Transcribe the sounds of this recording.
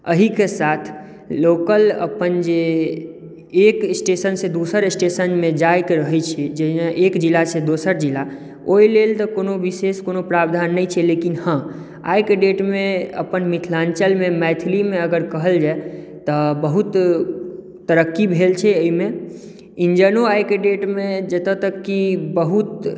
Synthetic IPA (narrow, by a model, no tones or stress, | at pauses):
əɦikesat̪ʰ | lokələ̰pənd͡ʒe | eksʈesənsed̪usəɾesʈesənmẽd͡ʒajkeɾəɦɛjt͡ʃʰɛd͡ʒəeʔekd͡ʒilased̪osəɾd͡ʒila | oilelt̪ɔkonoʋiseskonopɾabd̪ʱanːəjt͡ʃʰɛlekinhã | a̰jkeɖeʈmeə̰pənmit̪ʰlãnt͡ʃəlmemɛt̪ʰilimeəɡəɾkəɦəld͡ʒae | t̪əbəɦut̪ | t̪əɾəkːibʱelt͡ʃʰɛəime | ind͡ʒənoajkeɖeʈmed͡ʒət̪ət̪əkːibəɦut̪